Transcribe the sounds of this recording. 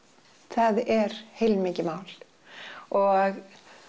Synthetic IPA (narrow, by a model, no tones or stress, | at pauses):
θaðɛɾ̥hejlmɪːcɪmaːwl | ɔɣ